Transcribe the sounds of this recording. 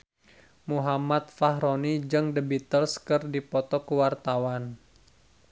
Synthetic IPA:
muɦamat̪̚faɦɾonid͡ʒɨŋdəbit̪əlskɨrdipɔt̪ɔkəwart̪awan

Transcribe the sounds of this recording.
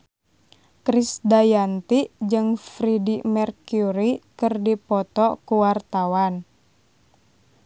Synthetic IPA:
kɾisdajant̪id͡ʒɨŋfɾidimɛrkuɾikɨrdipɔt̪ɔkuwart̪awan

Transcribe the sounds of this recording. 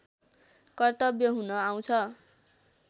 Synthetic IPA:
kʌrt̪ʌbjʌɦunʌaw̃t͡sʰʌ

